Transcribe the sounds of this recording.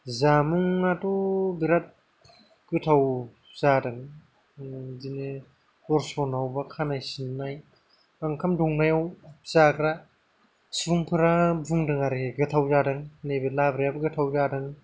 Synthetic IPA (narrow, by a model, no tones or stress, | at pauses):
zamuŋːatɔbiɾat̚ | ɡ̥ɯtʰaw | zadɯŋ | zine | kɔɾsɔnawbakʰanajsinːaj | baŋkʰamdɔŋnajawz̥akʰɾa | sbuŋpʰɯɾabuŋdɯŋaɾeeɡɯtʰawzadɯŋnebelabɾijabɯɡɯtʰawzadɯŋ